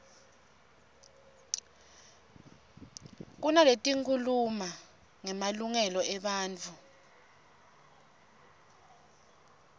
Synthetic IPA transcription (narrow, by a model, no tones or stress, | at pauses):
k̬unaletʼiŋkʰuluma | ŋɛmaluŋɛlɔɛɓaːnt͡fʰu